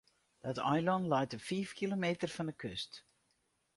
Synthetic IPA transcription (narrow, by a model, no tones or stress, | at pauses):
d̥ɑtajlɑntlɛjtəfiːfkʰilomejtərfɑndəkʰɵst